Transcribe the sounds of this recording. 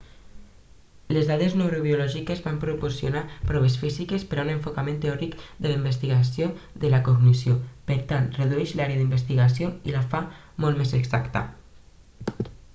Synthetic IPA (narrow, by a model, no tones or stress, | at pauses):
lezðaðeznewɾoβiulɔʒikezβampɾupoɾsjonapɾɔβ̞esfizikespəɾaunəɱfokamẽnt̪eɔɾikd̪ələimbəst̪iɣas̬joðəlakoɣnisjopəɾt̪ant̪rəðuɛʃlaɾeəðimbəs̬t̪iɣas̬joḭlafa | mɔlt̪mezəɡzakt̪ə̰